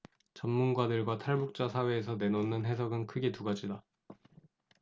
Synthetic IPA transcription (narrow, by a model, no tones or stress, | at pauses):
t͡ɕʌmːunɡwadɯɭɡwatʰaɭbuk̚t͡ɕ͈asʰawe̞ːsʰʌne̞nonːɯnɦe̞sʰʌɡɯnkʰɯɡe̞tuɡad͡ʑida